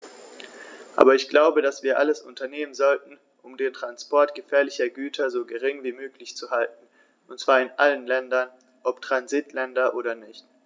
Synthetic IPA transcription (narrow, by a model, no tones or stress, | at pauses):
ʔa̰ːbɐɪçɡ̥laʊbədasv̥iːɐʔaləsʔʊ̰ntɐneːmənzɔltn̩ | ʔʊmdeːntʁ̥anspɔɐtɡ̥əfɛːɐlɪçɐɡyːtʰɐzoːɡəʁ̞ɪŋviːmøːklɪçt͡suhaltn̩ | ʔʊntt͡sv̥aːɐɪnʔalənlɛndɐn | ʔɔptʁ̥anzitʰlɛndɐʔoːɾɐnɪçt